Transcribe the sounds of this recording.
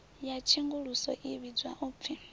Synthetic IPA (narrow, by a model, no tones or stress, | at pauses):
jat͡ʃʰiŋɡuɺusɔʔiβid͡zwaʔup̪fʰi